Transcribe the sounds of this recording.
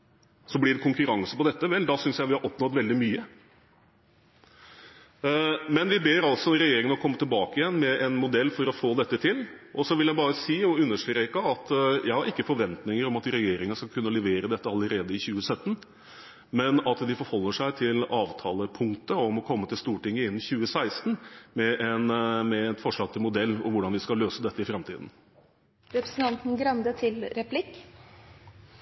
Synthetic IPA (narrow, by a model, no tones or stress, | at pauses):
sɔblɪɖɛkʰʊŋkʉɾɑŋsəpɔd̪ɛt̪ːəʋɛld̪ɑsʏnsjæɪʋɪhɑɾʔɔpnɔt̪ʋɛld̪ɪmyːə | mɛnʋɪbeːɾɑlsɔɾɛjeːɾɪŋənəɔkʰɔmːət̪ɪlbɑːkəjɛnːmɛʔɛnmʊd̪ɛlːfɔɾɔfoːd̪ɛt̪ːət̪ʰɪlʔɔsɔʋɪljæɪbɑːɾəsiːɔʉnːəʂʈɾɾeːkəɑt̪jʔæɪhɑɾɪkːəfɔɾʋɛnt̪nɪŋəɾɔmɑt̪ɾɛjeːɾɪŋənəskɑlkʰʉnːəlɛʋeːɾəd̪ɛt̪ːəɑləɾeːd̪əɪçʉːəsœt̪ːən | mɛnɑt̪d̪ɪfɔɾhɔlːəʂæɪt̪ʰɪlɑːʋt̪ʰɑːləpʰʊŋkt̪əɔmɔkʰɔmːət̪ɪlst̪uːʈɪŋːəɪnːçʉːəsæɪst̪n̩mɛʔɛnmɛɛnfɔʂɭɑːɡ̚t̪ʰɪlmʊd̪ɛlːɔ̰ʋʊɖɑnʋɪskɑløːsəd̪ɛt̪ːəɪfɾɑmt̪ʰḭːd̪n̩ | ɾɛpɾəsn̩t̪ʰɑnt̪n̩ɡɾɑnd̪ət̪ʰɪlɾɛpʰlɪkː